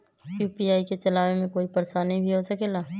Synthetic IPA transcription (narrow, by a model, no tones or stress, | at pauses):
juːpiaːiket͡ʃɐlaːʋemẽkoːipɐɾsanɐɦĩbʱiɦosɐkeːlaː